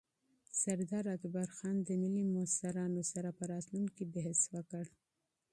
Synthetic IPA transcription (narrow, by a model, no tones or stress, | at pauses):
saɾd̪ɑɾat̪baɾxɑnd̪əmɪlimʊsaɾɑnosaɾapəɾɑt̪lunkibeɦəswəkəɽ